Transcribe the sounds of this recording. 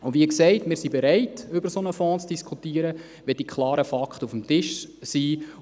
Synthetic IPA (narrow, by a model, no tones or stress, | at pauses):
ʊdʋiksɛɪtmɪːɾsibeɾɛɪtʏbəɾsonəfɔ̃ːt͡sd̥iskʰutiəɾə | ʋɛd̥ikʰχlˠɑːɾəfɑkχtufəm̩tɪʃsiː